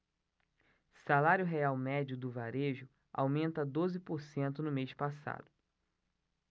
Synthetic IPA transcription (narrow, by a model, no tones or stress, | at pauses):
salaɾjʊɦeawmɛd͡ʒʊd̪ʊvaɾeʒʊ | a̰wmẽnt̪ɐd̪ozɪpoɾsẽnt̪ʊnʊmeʃpasa̰d̪ʊ